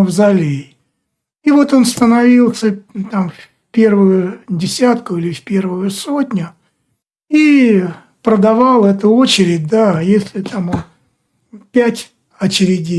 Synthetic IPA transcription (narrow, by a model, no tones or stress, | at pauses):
vzɐlʲe | ivo̞t̪o̞nst̪ənɐvʲilˠsʲət̪amfʲ | pʲe̞rvʊjʊdʲɪsʲat̪kʊilʲɪfʲpʲe̞rvʊjʊso̞tʲnʲʊ | i | pɾəd̪ɐvɑlˠɛt̪ʊo̞t͡ɕɪɾʲɪdʲd̪ajesʲlʲɪt̪amon | pʲætʲ | ɐt͡ɕɪɾʲɪdʲi